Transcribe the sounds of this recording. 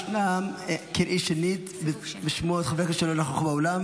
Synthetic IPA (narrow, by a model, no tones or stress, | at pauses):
lamkiɾʔiʃenit̪ | bbeʃmoat̪χaveketʃelonaχoχbaolam